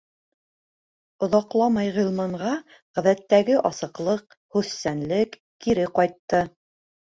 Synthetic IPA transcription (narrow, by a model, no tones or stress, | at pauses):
ŏðɑqlˠɑmɑjʁĭlˠmɑɴʁɑ | ʁæðæt̪ːæɡɘʔɑsɤ̆qlˠɤq | hʉθːænlɘkːiɾɘqɑjt̪ːɤ